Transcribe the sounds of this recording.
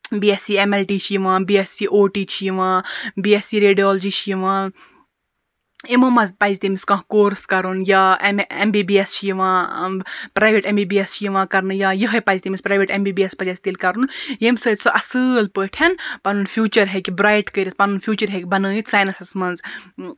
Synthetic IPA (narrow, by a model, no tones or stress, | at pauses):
biesiemelʈiːt͡ʃʰiʋãːbiesiʔoːʈiːt͡ʃʰʋãːbiesiɾeːɖijoːld͡ʒit͡ʃʰiʋãː | imomɐzpazit̪imiskɐ̃ɦkoːɾskɐɾunjaːembibiest͡ʃʰjiʋãː | pɾaːjʋeʈembiːbiest͡ʃʰjiʋãːkɐɾnɨjaːjəɦɐjpazʲit̪imispɾaːʋeʈembiːbiespɐd͡ʒaːsit̪iːlkɐɾunjemsəːt̪ʲsoʔɐsɨːlpəːʈʰjɐnpɐnunfʰjuːt͡ʃɐɾɦekʲibɾaːjʈkəɾispɐnunfʰjuːt͡ʃɐɾɦekʲibɐnɨːit̪saːjnɐsɐsmɐnz